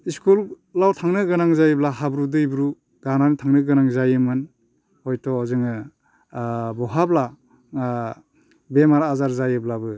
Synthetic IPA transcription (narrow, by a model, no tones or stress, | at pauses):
iskul | lawtʰaŋnɯɡɯnaŋzajɯblaɦabɾudɯjbɾu | ɡananitʰaŋnɯɡɯnaŋzajɯmɯn | hɔjtɔzɯŋɯ | bɔɦabla | bemaɾaːzaɾzajɯblabɯ